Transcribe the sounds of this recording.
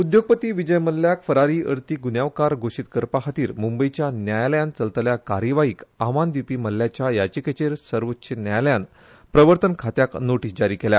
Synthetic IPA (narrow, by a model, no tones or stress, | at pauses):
ud̪joɡ̚pət̪iːʋid͡ʑəjməlːjakfəɾaɾiːʔəɾt̪iːɡunjaʋkaɾɡʱoʂit̪kəɾpaɦat̪iːɾmumbəjt͡ɕjanjajljant͡səlt̪ljakaɾjəʋaiːkaʋand̪ipiːməlːjat͡ɕjajat͡ɕiket͡ɕeɾsəɾʋətːɕʰenjajljan | pɾəʋəɾt̪ənkʰat̪jaknoʈiːsd͡ʑaɾiːkelja̰